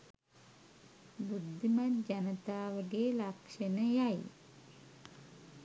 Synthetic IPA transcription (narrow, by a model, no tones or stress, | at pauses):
bud̪ʱːimatd͡ʒɐnət̪aːʋəɡelakʂenəjaj